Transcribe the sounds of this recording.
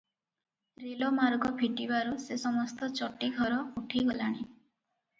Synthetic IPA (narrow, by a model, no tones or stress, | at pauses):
ɾilomaɾɡɔbʱiʈibaɾusesɔmɔst̪ɔt͡ʃɔʈiɡʱɔɾɔuʈʰiɡɔlaɽ̃i